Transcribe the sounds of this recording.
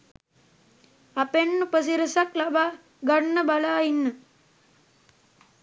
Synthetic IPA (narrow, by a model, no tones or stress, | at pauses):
apenːupəs̬iɾəsaklabaː | ɡaɳːəbalaːinːə